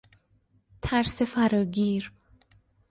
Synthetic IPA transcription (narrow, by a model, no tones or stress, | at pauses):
t̪ʰæɾsefæɾɒːɡiːɾ